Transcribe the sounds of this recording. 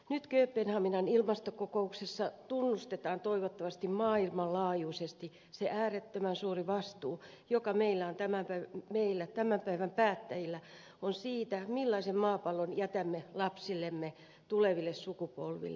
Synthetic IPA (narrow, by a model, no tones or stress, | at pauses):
nyt̪køːpːenhɑminɑnilmɑst̪okokouksesːɑt̪unːust̪et̪ɑːnt̪oiʋot̪ːɑʋɑst̪immɑːilmɑllɑːjuːsest̪i | seʔæːret̪ːømænsuːriʋɑst̪uː | jokɑmeilːæont̪æmæmpæmeilːæt̪æmæmpæiʋæmpæːt̪ːæjilːæ | onsiːt̪æmilːɑisemmɑːpɑlːonjæt̪æmːelɑpsilːemːe | t̪uleʋilːessukupo̰lʋḭlːe